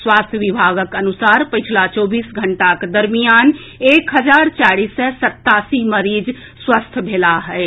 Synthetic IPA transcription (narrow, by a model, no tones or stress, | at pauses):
swast̪ʰjəʋibʱaɡəkənusaɾpəɪt͡ʃʰlat͡ʃɔbiːsɡʱəɳʈaked̪əɾmijan | ekɦəd͡ʒaɾt͡ʃaɾisːəsət̪ːasiməɾid͡ʒ | swəst̪ʰbʱelaɦɛe